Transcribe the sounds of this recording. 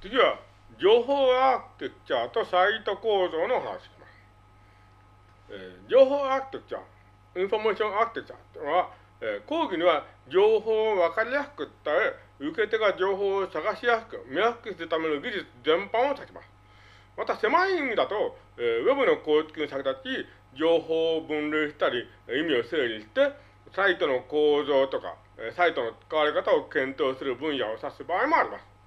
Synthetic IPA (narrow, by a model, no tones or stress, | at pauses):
t͡sɨɡʲiβa | d͡ʑo̞ːɦoːakɯ̥t̪et͡ɕaːt̪o̞sait̪o̞ko̞ːzo̞ːno̞hana̰ɕi̥ɕi̥masɨ̥ | eːd͡ʑo̞ːɦo̞ːakɯ̥t̪ot͡ɕa̰ | ĩɰ̃fo̞meːɕiõ̞akɯ̥t̪et͡ɕa̰ːt̪enoβa | eːko̞ːɡʲiɲ̟iβad͡ʑoːɦoːβakaɾʲijaɸɯ̥kɯ̟tt̪ːae | ɯ̟ke̞t̪e̞ɡad͡ʑo̞ːɦoːsaɡaɕijasɯ̥kɯ̟mʲijaɸɯ̟̥kɯ̟sɨɾɯ̟t̪ame̞no̞ɡʲiʑit͡sɨzẽ̞mpãɰ̃osakʲi̥ma̰sɨ̥ | mat̪ase̞maĩnd̪at̪o̞ | eβe̞bɯ̟no̞ko̞ːt͡sɨ̥kʲĩnsakɯ̟t̪at͡ɕi | d͡ʑo̞ːɦo̞ːbɯ̟̃nɾʲɯːɕi̥t̪aɾʲi | imʲio̞seːd͡ʑiɕi̥t̪e̞ | sait̪o̞no̞ko̞ːzo̞ːt̪o̞ka̰ | esait̪o̞no̞t͡sɨ̥kaβ̞aɾʲikat̪aokẽ̞nt̪o̞ːsɨɾɯ̟bɯ̟̃ɰ̃jaosasɨbaːimo̞aɾʲimasɨ̥